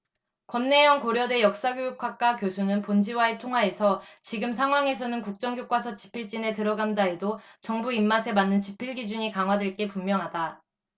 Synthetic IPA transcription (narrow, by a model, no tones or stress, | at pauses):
kwʌnːe̞jʌŋkoɾjʌde̞jʌk̚s͈aɡjojuk͈ʰwak̚k͈akjosʰunɯnpond͡ʑiwaetʰoŋɦwae̞sʰʌt͡ɕiɡɯmsʰaŋɦwaŋe̞s̬ʰʌnɯnkuk̚t͡ɕ͈ʌŋɡjok͈wasʰʌt͡ɕi̥pʰiɭt͡ɕ͈ine̞tɯɾʌɡandaedot͡ɕʌŋbuimːasʰe̞manːɯnt͡ɕipʰiɭɡid͡ʑuɲikaŋɦwadeɭk͈e̞pumːjʌŋɦada